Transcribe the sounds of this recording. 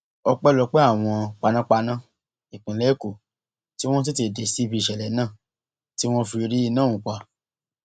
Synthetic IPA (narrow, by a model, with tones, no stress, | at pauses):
ɔ˧k͡pɛ˦lɔ˧k͡pe˦a˦˨w̃ɔ̃˧k͡pa˧nã˦k͡pa˧nã˦ | i˨k͡pĩ˨lɛ˦ko˨ | ti˦w̃ɔ̃˦s̬i˦te˧˨de˨si˨˦bi˧˦i˨ʃɛ˨lɛ˨˦nãː˦˨ | ti˦w̃ɔ̃˦fi˧ɾi˦i˦˧nã˦˨ũ˨kʷa˨